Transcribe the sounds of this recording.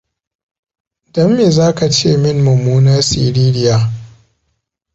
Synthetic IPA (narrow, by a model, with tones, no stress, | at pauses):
dɐ˦mːeː˨zaː˦ka˨t͡ʃeː˦˨mɪ˦nːʊ˨muː˦na˦rsḭː˨ɾiː˦ɾɪ˦jaː˨